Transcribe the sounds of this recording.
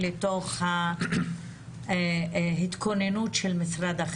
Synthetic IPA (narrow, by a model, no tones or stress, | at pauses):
leto̞χha | hit̪kʰo̞nenutʃelmisʁad̪aχ